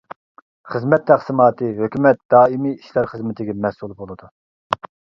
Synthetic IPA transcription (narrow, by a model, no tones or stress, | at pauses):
χəzmɛt̪ʰːæχsɨmɑːt̪ʰɨɦøkʲymɛt̪̚d̪̥ɑːimiiʃlæɾχəzmɪt̪ʰɪɡʲɛmɛsulˠbolˠɨd̪u